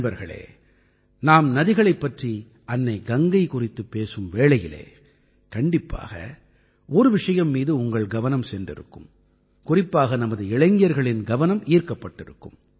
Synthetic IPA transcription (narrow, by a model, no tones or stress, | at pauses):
bɐɾɣɐ̰ɭḛː | naːmnɐðɪɣɐɭɐɪpːɐʈri | ɐnːɐɪɡɐŋɡɐɪkʊrɪt̪ːɯpːeːsɯmʋeːɭɐjɪlḛː | kɐɳɖɪpːa̰ːɣɐ̰ | ɔɾɯʋɪʂɐjɐmːiːðɯʊŋɡɐɭɡɐʋɐnɐmsɛndrɪɾɯ̰kːɯm | kʊrɪpːaːɣɐnɐmɐðɯɪɭɐɪŋɡɪjɐɾɣɐɭɪnɡɐʋɐnɐmiːɾkɐpːɐʈːɪɾɯkːɯm